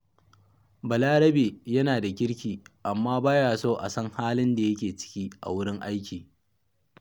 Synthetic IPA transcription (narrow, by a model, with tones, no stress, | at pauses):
bɐ˨laː˦ɽɐ˦beː˨jɐ˦naː˨da˨kʲɪ˦ɽkʲiː˨ʔa˨mːaː˦baː˦jaː˨soː˦ʔa̰˨sɐ˦ŋhaː˦lɪ˦nda˨jɐ˦kʲeː˨t͡ʃɪ̥˦kʲiː˦ʔa̰˨wʊ˦ɽɪ˦ŋʔa˦jkʲiː˨